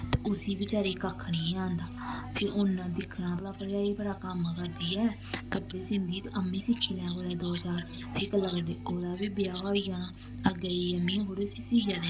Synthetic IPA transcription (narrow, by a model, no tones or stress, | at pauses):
t̪eʊsiːbɪt͡ʃaːɾiːkakʰːɳiːãːnd̪aːpʰɪʔʊnːãːd̪ɪkʰːnãːblaːpəɾjaːiːbəɽaːkəmkəɾd̪iːjaː | k̪əbeːsɪnd̪iːt̪ːʔəmĩːsɪkʰːiːlɛ̃ːkoːɾɛːd̪oːt͡ʃaːɾ | pʰɪːkəlaːkɖeʔoːd̪aːbiːbɪjaːɦaːiaːnaː | əɡəəmĩːɦoːɾeːsɪsiːd͡ʒaːd̪e